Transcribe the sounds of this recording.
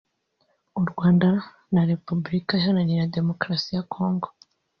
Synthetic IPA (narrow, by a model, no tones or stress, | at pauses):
uɾɡwaːnda | naɾe̞pubuɾikaʃanaɲiɾade̞mo̞kɾasijakʰo̞ːŋɡo